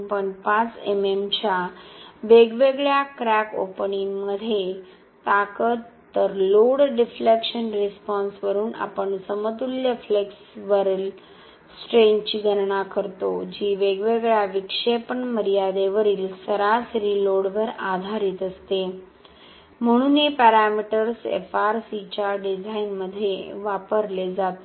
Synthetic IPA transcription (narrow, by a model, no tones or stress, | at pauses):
pəɳpat͡sememt͡ɕjaʋeɡʋeɡɭjakɾæko̰pniŋməd̪ʱje | t̪akət̪ːəɾloɽɖiflekɕənɾispɔnsʋəɾuːna̰pəɳsəmət̪uljəfleks | ʋəɾil | sʈɾeɲt͡ɕiːɡʱəɾɳakəɾt̪od͡ʑiːʋeɡʋeɡɭjaʋikʂepəɳməɾijad̪eʋəɾiːlsəɾasɾiloɽʋəɾad̪ʱaɾiːt̪əst̪e | m̤əɽ̃uːnepɛɾamiʈəɾsḛfaɾsit͡ɕaɖid͡zainməd̪ʱːjeʋapəɾled͡zat̪